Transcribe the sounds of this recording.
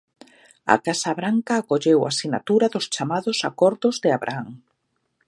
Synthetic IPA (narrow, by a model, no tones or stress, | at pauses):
a̰kasaβɾaŋkaːkoʎewa̰sina̰t̪uɾaðʊst͡ʃamaðʊsakɔɾðʊzðɪaβɾʔa̰aŋ